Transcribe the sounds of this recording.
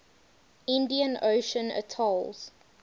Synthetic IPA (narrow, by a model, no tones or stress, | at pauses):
ɪ̃ndiə̃noʊʃə̃nə̰tʰɔlz̥